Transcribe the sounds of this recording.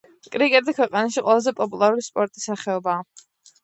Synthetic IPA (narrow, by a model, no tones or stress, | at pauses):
kʼɾiɡʼɛd̪akʰwɛqʼanaʃiqʼwɛlˠazɛpʼɔpʼulˠaɾulispʼɔɾt̪ʼisaχɛɔbaː